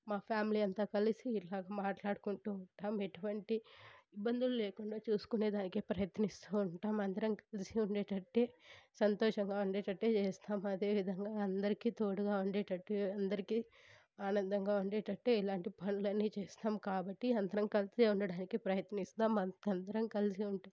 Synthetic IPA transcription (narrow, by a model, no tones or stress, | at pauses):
maːpʰjaːmiliːɐnt̪aːkɐlisiːlaːɡaːmaːʈlaːɽukuɳʈuːɳʈaːmeʈuʋɐɳʈiibːɐnd̪ululeːkuɳɖaːt͡ʃuːsu̥kune̞ːd̪aːnikeːpɾɐjɐt̪nist̪uuɳʈaːmɐnd̪ɐɾɐmkɐlisiuɳɖeːʈɐʈːe̞ːsɐnt̪ɔːʂɐŋɡaːuɳɖeːʈɐʈːe̞ːt͡ʃeːst̪aːmɐd̪e̞ːʋid̪ʱɐŋɡaːɐnd̪ɐɾikit̪o̞ːɽuɡaːuɳɖeːʈɐʈːeɐnd̪ɐɾiki | aːnɐnd̪ɐŋɡaːuɳɖeːʈɐɳʈːe̞ːilaːɳʈipɐnulɐnːiːt͡ʃeːst̪aːmkaːbɐʈːiɐnd̪ɐɾɐmkɐliseuɳɖɐɽaːnikipɾɐjɐt̪nist̪aːmɐɐnd̪ɐɾɐmkɐliseuɳʈaːm